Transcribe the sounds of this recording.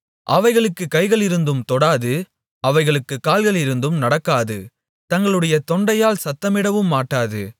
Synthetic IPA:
ʔɐʋɐɪɣɐɭɯkːɯkːɐɪɣɐɭɪɾɯnd̪ɯmt̪ɔɽaːðɯ | ɐʋɐɪɣɐɭɯkːɯkːaːlɣɐɭɪɾɯnd̪ɯmnɐɽɐkːaːðɯ̰ | t̪ɐŋɡɐɭɯɽɐjɐt̪ɔɳɖɐjaːlsɐt̪ːɐmɪɽɐʋɯmːaːʈːaːðɯ

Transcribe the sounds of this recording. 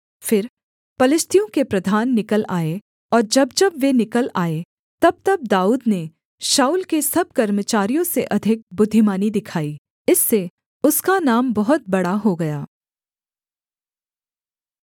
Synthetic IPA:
fɪɾ | pɐlɪʃt̪ʰijõkepɾɐd̪ʱaːnːɪkəlʔaːe | ɔːɾd͡ʒɐbd͡ʒɐbʋenɪkəlaːe | t̪ɐb̚t̪ɐb̚d̪aːuːd̪ne | ʃaːuːlkesɐb̚kɐɾmət͡ʃaːɾijõseʔɐd̪ʱɪk̚bʊd̪ʱːɪmaːnid̪ɪkʰaːi | ɪsːe | ʊskanaːmbɐɦʊt̪̚bɐɽaɦoɡɐjaː

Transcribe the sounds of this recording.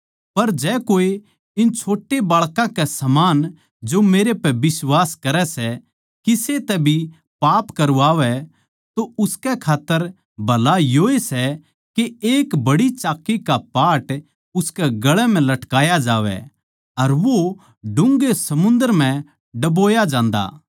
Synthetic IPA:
pɐɾd͡ʒɛːkoːe | ɪnt͡ʃʰoːʈːebaːɭkãkɛsɐmaːn | d͡ʒomeːɾepɛbɪswaːskɐɾɛsɛ | kiset̪ɛbʱi | paːpkɐɾuaːʋɛ | t̪oʊskɛkʰaːt̪ːəɾ | bʱɐlajoːesɛ | keeːkbɐɽit͡ʃaːkːikapaːʈ | ʊskɛɡɐɭɛm̤ɛ̃lɐʈkaːjad͡ʒaːʋɛ̰ | ɐɾʋo | ɖʊ̃ŋɡesɐmʊ̃nd̪əɾmɛ̃ | ɖɐboːjad͡ʒãːnd̪a̰ː

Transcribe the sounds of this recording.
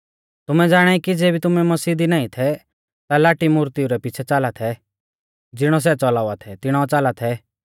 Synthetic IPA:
t̪ʊmɛd͡zaːɽ̃aikid͡zeːbit̪ʊmɛmɐsiːd̪inaːĩt̪ʰɛ | t̪alaːʈimuɾt̪iuɾɛpit͡ʃʰɛt͡saːlat̪ʰɛ | d͡zɪɽ̃ɔs̬ɛt͡sɔlaːʊʋat̪ʰɛt̪ɪɽ̃ɔt͡saːlat̪ʰɛ

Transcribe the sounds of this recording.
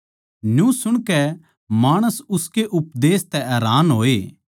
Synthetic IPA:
njũsʊɽ̃kɛ | maːɽ̃əsʊskeʔʊpd̪eːst̪ɛʔɛːɾaːnɦoːeː

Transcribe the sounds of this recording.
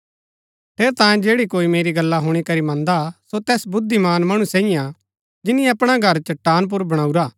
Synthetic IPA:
pʰeːɾt̪ãːẽd͡ʒeːɽikoːimeːɾiɡɐlːaɦʊɽ̃ikɐɾimɐ̃nd̪asot̪ɛːsbʊd̪ʱːimaːnmɐɽ̃ũsɛːɪjã | d͡ʒɪniɐpɽ̃aɡʱɐɾt͡ʃɐʈːaːnp̬ʊɾbɐɽ̃aːuɾaː

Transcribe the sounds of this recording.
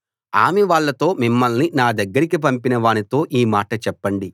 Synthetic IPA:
a̰ːmɛʋaːɭːɐt̪o̞ːmimːɐlninaːd̪ɐɡːɐɾikip̬ɐmpinɐʋaːnit̪o̞ːʔiːmaːʈɐt͡ʃɛpːɐɳɖi

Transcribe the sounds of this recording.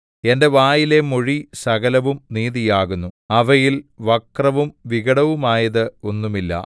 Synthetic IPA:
e̞nde̞ʋaːjile̞mo̞ɻisɐɣɐlɐʋumniːðijaːɣunːuɐʋɐjilʋɐkrɐʋumʋiɣɐɽɐʋumaːjɐðɨo̞nːumilːɐ̰

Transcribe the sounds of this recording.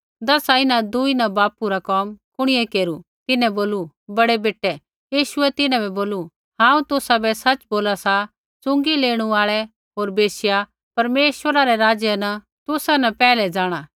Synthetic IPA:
d̪ɐsaɪnãd̪uinabaːpuɾakɔːmkʊɽ̃ɪjɛkeːɾu | t̪ɪnɛ̃boːlu | bɐɽɛbeːʈːɛ | jiːʃʊɛt̪ɪnãbɛboːlu | ɦãːũt̪ʊsabɛsɐt͡ʃboːlasa | t͡sʊ̃ŋɡileːɽ̃uaːɭɛ | ɦoːɾbeːsɪja | pɐɾmeːʃwəɾaɾɛɾaːd͡ʒjənɐ | t̪ʊsanɐpɛːlɛd͡zaːɽ̃aː

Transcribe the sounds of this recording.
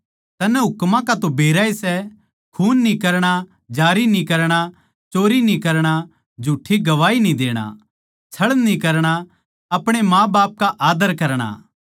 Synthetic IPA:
t̪ɐnɛɦʊkmãkat̪obeːɾaːisɛ | kʰuːnːĩkɐɾɽ̃a | d͡ʒaːɾinĩkɐɾɽ̃a | t͡ʃoːɾinĩkɐɾɽ̃a | d͡ʒʱuːʈʰːiɡɐʋaːinĩd̪eːɽ̃a̰ | t͡ʃʰɐɭnĩkɐɾɽ̃a | ɐpɽ̃emãːbaːp̚kaʔaːd̪əɾkɐɾɽ̃a̰ː

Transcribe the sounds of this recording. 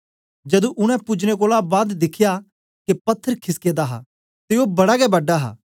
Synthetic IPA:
d͡ʒɐd̪ũʔʊɽ̃ɛ̃pʊd͡ʒñek̬oːlabaːd̪d̪ɪkʰɪja | kepɐt̪ʰːəɾkʰɪskeːd̪aɦa̰ | t̪eoːbɐɽakɛbɐɖaɦa̰ː

